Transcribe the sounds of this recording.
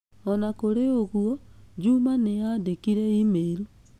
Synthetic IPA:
ɔnakoɾeoɣwɔd͡ʒumanejadekiɾeimeːɾu

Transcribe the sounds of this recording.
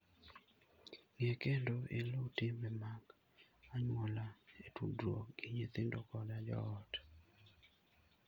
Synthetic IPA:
ŋekendoʔelotɪmɛmak | aɲwɔlaetudwokɡɪɲit̪ɪndokɔdad͡ʒɔ̰ːt

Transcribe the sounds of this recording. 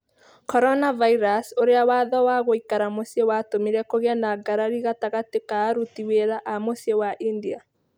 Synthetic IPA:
kɔɾɔnavaiɾasoɾeawaðɔwaɣoikaɾamosewatomiɾɛkoɣeanaɡaɾaɾiɣataɣatekaːɾutiweɾaʔamosiewaʔindia

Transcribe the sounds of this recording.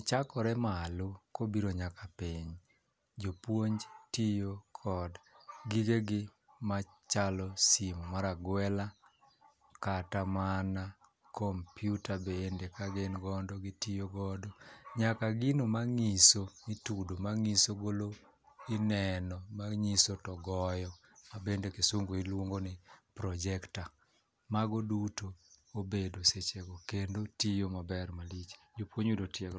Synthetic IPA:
t͡ʃakɔɾɛmalʊkobiɾoɲakapiɲ | d͡ʒopwoɲd͡ʒtijokʰɔdɡikeɡɪ | mat͡ʃalɔsimmaɾaɡwɛla | katamana | kʰɔmpjutabendekaɡenɡɔndɔɡɪtijoɡɔdɔɲakaɡɪnomaŋisonitudomaŋisoɡolo | inɛnɔmaŋisotɔɡɔjɔ | mabendekesoŋɡoilwoŋɡonɪpɾɔd͡ʒɛkta | maɡodutoːbedoset͡ʃeɡɔkendotijomabɛrmalit͡ʃd͡ʒopwoɲudotjɛɡ

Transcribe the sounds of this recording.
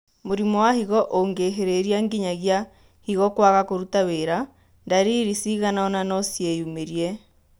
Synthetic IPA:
moɾimɔwahiɣɔʔoŋɡeɦeɾeɾiaŋɡiɲaɣja | hiɣɔkwaɣakoɾutaweɾa | ndaɾiɾisiɣanaɔnanɔsjejumeɾiɛ

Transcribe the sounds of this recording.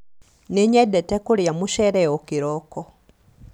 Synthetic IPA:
niɲedetekuljamuʃeɾeokiɾoko

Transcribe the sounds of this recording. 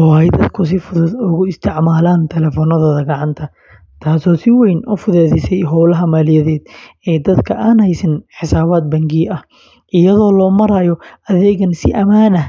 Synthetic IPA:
ɔːhɛjd̪ɐd̪kʰʊs̬ɪfʊðʊðʊɣʊɪst̪ʰɪʕmaːlaːnt̪ʰɛlɛːfɔːnɐðɔːðɐɡɐʕɑnt̪ʰɐ | t̪ʰaːsɔːsɪwɛjnʔʊfʊðɛːðɪsɛjɦɔwlɐɦɐmaːlɪjɐðɛːd̪ɛːd̪ɐd̪kʰɐʔaːnhɛjsɐnħɪsaːβaːd̪̚bɐŋɡiːʔɐh | ʔɪjɐðɔːlɔːmɐɾaːjɔʔɐðɛːɣɐnsɪ̰ʔɐmaːnɐ

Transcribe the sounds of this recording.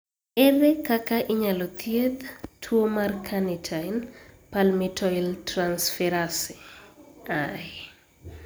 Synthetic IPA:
ɛrɛkakaʔɪɲalɔt̪ʰjet̪tʰuomarkʰanitʰajnpalmɪtʰɔiltransfɛɾasi | a

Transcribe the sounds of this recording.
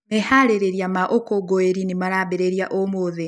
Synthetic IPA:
mehaɾeɾeɾjamaʔokoɡoeɾinimaɾabeɾeɾjaʔomoðe

